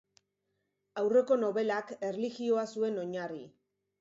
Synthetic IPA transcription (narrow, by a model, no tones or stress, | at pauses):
awre̞ko̞no̞βe̞lake̞rliɣio̞asue̞no̞ɲari